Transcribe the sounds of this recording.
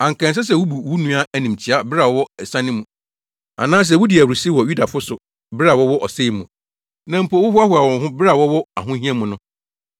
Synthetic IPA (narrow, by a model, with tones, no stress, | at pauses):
ã˨ŋ̩˨kã˨ns̬ɛ˦s̬ɛ˨wʊ˦bu˨wu˦nũ˦a˦æ˨nĩ˨m̩˨t͡ɕʰɪ˨˦a˦bɪ˦ɾa˨wɔ˦wɔ˦ɛ˨sã˦nɪ̃˦mũ˨ | a̰˨nãː˦s̬ɛ˨wu˦di˨æ˨wɾi˨si˦wɔ˨ju˦da˨fʊ˦sʊ˨ | bɪ˦ɾa˨wɔ˦wɔ˦ʔɔ˨se˦˨mũ˨ | nã˨m̩˦pɔ˨˦wʊ˦hʊ˦a˦hʊ˨a˨wɔ̃˨ŋ˦ɦʊ̃˦ba˨wɔ˦wɔ˦a̰˨ɦʊ̃˦ɦĩ˦ɛ˦mũ˨nʊ̃˦